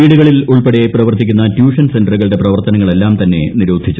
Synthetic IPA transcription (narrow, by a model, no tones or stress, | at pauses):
iːɽuɣɐɭiluɭpeɽejeprɐʋɐrt̪ːikʲːunːɐtjuːʂɐnse̞nɖɐrɣɐɭɽe̞prɐʋɐrt̪ɐnɐŋːɐɭe̞lːaːmt̪ɐnːe̞̰niɾuːd̪ʱit͡ɕːu